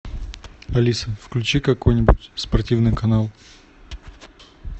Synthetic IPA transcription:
ɐlʲisəfklʲʉt͡ɕikɐko̞jnʲɪbʊtʲspɐrtʲivnɨjkɐnalˠ

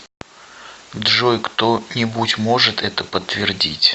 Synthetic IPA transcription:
d̪ʐojkt̪onʲɪbutʲmo̞ʐɨt̪ɛt̪əpət̪ːvʲɪrdʲḭtʲ

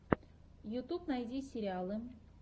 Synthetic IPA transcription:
jut̪upnajd̪ʲisʲeɾʲɪalˠɨm

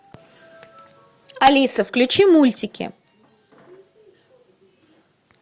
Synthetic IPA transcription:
ɐlʲisəfklʲʉt͡ɕimulʲtʲɪkʲɪ̰

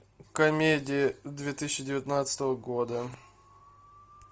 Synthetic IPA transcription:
kɐmʲedʲɪjɪd̪vʲet̪ɨsʲɕːɪdʲɪvʲɪt̪nat̪sə̥t̪əvəɡod̪ə

